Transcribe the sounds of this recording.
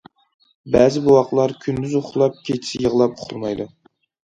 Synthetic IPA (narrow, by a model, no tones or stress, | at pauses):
bæːzɪbuwɑqlˠɑɾkʲʰynd̪yzoχʊlˠɑp̚kʲʰet͡ʃʰi̥sɪjəʁlˠɑp̚ʊ̥χʰulˠmɑjd̪u